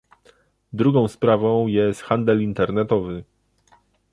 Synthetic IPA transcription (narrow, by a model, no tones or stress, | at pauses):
d̪ɾuɡɔ̃w̃spɾavɔ̃w̃jɛst̪xand̪ɛlint̪ɛɾnɛt̪ɔvɘ